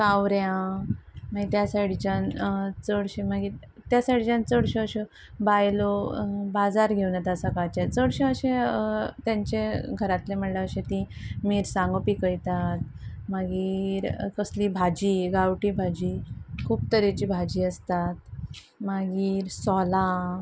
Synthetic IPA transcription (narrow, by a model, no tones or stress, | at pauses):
kawɾjã | maɡit̪jasaɽit͡ɕant͡səɽɕemaɡiːɾ | t̪jasaʈid͡ʑãnt͡səɽɕeəɕe | bajlobad͡zaɾɡʱewnat̪asakat͡ɕet͡səɽɕeəɕẽt̪jãɲt͡ɕeɡʱəɾat̪lem̤əɽlaəɕet̪ĩmiːɾsãŋɡopiːkəjt̪at̪̚maɡiːɾkəslibʱad͡ʑiːɡawʈibʱad͡ʑikʰuːpt̪əɾit͡ɕiːbʱad͡ʑiːəst̪at̪̚ | maɡiːɾsɔla